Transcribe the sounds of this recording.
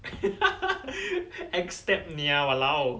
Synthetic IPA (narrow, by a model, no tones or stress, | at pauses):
ɛkst̪ɛp̚niawalaw